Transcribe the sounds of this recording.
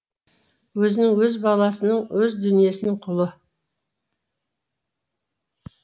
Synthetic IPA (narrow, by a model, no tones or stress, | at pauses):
wɵzɪnɪŋwɵzbɑlˠɑsənəɴwɵzd̪ʏnije̞sɪnɪŋqʰʊlˠə